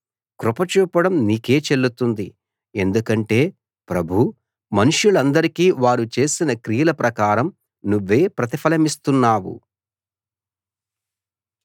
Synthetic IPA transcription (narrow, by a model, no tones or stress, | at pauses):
kɾupɐt͡ʃuːpːɐɽɐmniːke̞ːt͡ʃe̞lːut̪und̪i | e̞nd̪ukɐɳʈe̞ː | pɾɐbʱu | mɐnuʂjulɐnd̪ɐɾikiːʋaːɾut͡ʃe̞ːsinɐkɾijɐlɐpɾɐkaːɾɐm | nuʋːe̞ːpɾɐt̪ipʰɐlɐmist̪unːaːwṵ